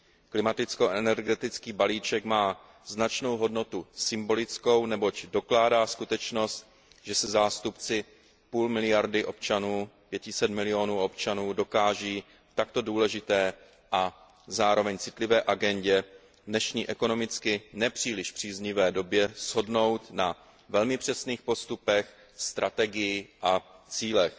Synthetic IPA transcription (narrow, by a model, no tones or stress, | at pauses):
klɪmat̪ɪt͡sko̞ʔɛnɛɾɡɛt̪ɪt͡skiːbaliːt͡ʃɛkmaː | znat͡ʃno̞wɦo̞dno̞t̪usɪmbo̞lɪt͡sko̞wnɛbo̞cdo̞klaːdaːskut̪ɛt͡ʃno̞st̪ | ʒɛsɛzaːst̪upt͡sɪ | puːlmɪlɪjaɾdɪʔo̞p̚t͡ʃanuːpjɛcɪsɛt̪mɪlɪo̞nuːʔo̞pt͡ʃanuːdo̞kaːʒiː | t̪ak̚t̪o̞duːlɛʒɪt̪ɛː | ʔa | zaːɾo̞vɛɲt͡sɪt̪lɪvɛːʔaɡɛɲɟɛ | nɛʃɲiːʔɛko̞no̞mɪt͡skɪnɛpr̥iːlɪʃpr̝̥iːzɲɪvɛːdo̞bjɛz̥ɦo̞dno̞wt̪na | vɛlmɪpr̝̥ɛsniːxpo̞st̪upɛx | st̪ɾʔat̪ɛɡɪjɪʔat͡siːlɛx